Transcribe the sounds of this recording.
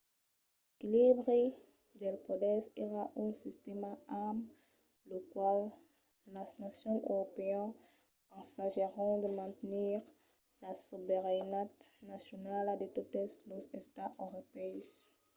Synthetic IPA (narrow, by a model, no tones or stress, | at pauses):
l | ekilibʁe | d̪elpɔd̪ɛseʁaʔỹsist̪emaam | lokwalː | aznasjɔ̃ø̰ʁopeɛ̃n | pãsaʒeʁɔ̃d̪əmɛ̃t̪niʁ | lasubeʁenat̪nasjonalad̪et̪ut̪eslozest̪aʔoʁopɛs